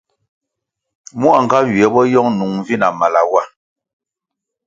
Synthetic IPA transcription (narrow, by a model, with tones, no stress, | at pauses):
mu˦a˨ŋ˨ɡa˦ɥi˨ɛ˨˦bɔ˦jɔ˦ŋnu˨ŋ˨vi˦na˨ma˨la˨wa˦˨